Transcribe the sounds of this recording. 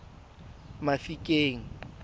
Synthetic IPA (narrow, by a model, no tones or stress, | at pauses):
mafikʼeːŋ̩